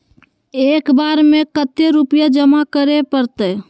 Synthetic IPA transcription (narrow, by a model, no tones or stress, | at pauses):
ekbaɾmekət̪jeɾupijad͡ʒəmakəɾepəɾt̪ə